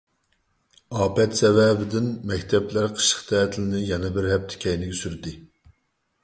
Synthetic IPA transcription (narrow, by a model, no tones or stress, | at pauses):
ɑːpɛt̪sɛvɛbɪd̪ɪnmɛkʲt̪ʰɛplæɾqʰə̥ʃə̥χt̪ʰɛːt̪ʰɪlɪnɪjɛnɛbɪɾhɛp̚t̪ʰɪ̥kʲɛjnɪɡʲɛsyɾd̪ɪ